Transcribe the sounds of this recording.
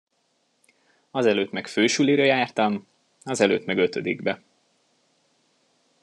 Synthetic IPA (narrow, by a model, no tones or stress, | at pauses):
ɒzɛløːt̪mɛkføːʃyliɾøjaːrt̪ɒm | ɒzɛlø̰ːt̪mɛɡø̞t̪ød̪iɡbɛ